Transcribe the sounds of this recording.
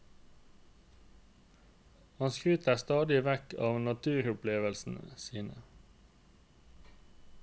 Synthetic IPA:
hɑnskʁʉːt̪æːst̪ɑːd̪ɪʋækʰɑːʋnɑt̪ʰʉːʁʊpʰleːʋəlsn̩siːnə̰

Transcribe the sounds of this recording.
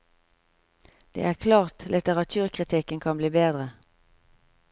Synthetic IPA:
d̪̥ḛːʔæːʁkʰlɑːʁt̪lɪt̪əʁɑt̪ʰʉːʁkʰʁɪt̪ʰɪkənkʰɑnbliːbeːd̪ʁə

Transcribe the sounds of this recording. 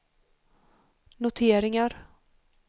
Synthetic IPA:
nʊt̪ʰeːɾɪŋaɾ

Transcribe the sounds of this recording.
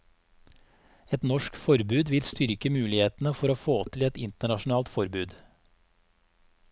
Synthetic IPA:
ɛt̪nɔʃkfɔɾbʉːd̪ʋɪlst̪ʏɾkəmʉːlɪheːt̪n̩əfɔɾoːfoːt̪ʰɪlɛt̪ɪnt̪əɳɑʃn̩ɑːlt̪fɔɾbʉːd̪

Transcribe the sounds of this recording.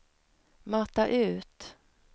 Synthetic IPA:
mat̪ːaʔʉ̟ːt̪

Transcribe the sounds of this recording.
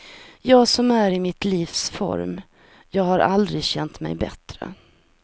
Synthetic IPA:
jɑːsɔmæɾɪmɪt̪liːfsfɔ̰ɾm | jɑːɡhaɾʔa̰ld̪ɾɪɡɕɛnt̪mɛ̰jbɛt̪ɾə̰

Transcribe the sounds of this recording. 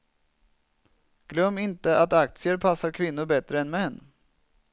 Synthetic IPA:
ɡ̥lœmːɪnt̪əʔat̪ak̚t̪sɪəɾpʰasːaɾkʰvɪnːʊɾbɛt̪ɾəɛnmɛnː

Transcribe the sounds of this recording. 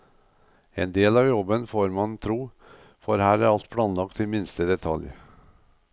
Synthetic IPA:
eːnd̪eːlɑːʋjɔbənfoːɾmɑnt̪ʰɾuː | fɔɾhæːɾæɾɑlt̪̚pʰɽɑːnlɑkt̪ʰɪmɪnst̪əd̪ɛt̪ʰɑ̰lj

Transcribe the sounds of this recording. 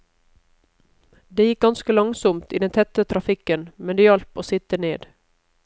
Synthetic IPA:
d̪eːjɪk̚ɡɑnskəlɑŋsɔmt̪iːd̪ɛnt̪ʰɛt̪ət̪ʰɾɑfɪkənmɛnd̪eːjɑlpoːsɪt̪əneːd̪

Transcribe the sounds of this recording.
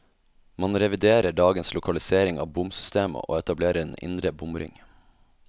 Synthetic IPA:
mɑnɾɛʋɪd̪eːɾəɖɑːɡənslʊkʰɑlɪseːɾɪŋɑ̰ːbʊmsʏst̪eːmə̰ʔo̰ːɛt̪ɑbleːɾəɾeːnʔɪ̰nd̪ɾəbʊmɾɪ̰ŋ

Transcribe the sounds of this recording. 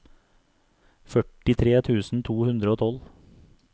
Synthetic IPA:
fœʈɪt̪ʰɾeːt̪ʰʉːsn̩t̪ʰuːhʉnd̪ɾəoːt̪ʰɔl

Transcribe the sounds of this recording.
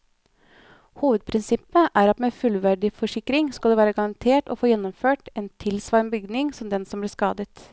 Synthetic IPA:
huːʋəd̪̚pʰɾɪnsɪpːəʔæɾɑt̪meːfʉlʋæɖɪfɔʂɪkːɾɪŋskɑld̪eːæːɾəɡɑɾɑnt̪ʰeːʈɔ̰foːjɛnːɔmføːʈeːnt̪ʰɪlsʋɑːɾnbʏɡd̪nɪŋsɔmd̪ɛnsɔmblɪːʂkɑːd̪ət̪

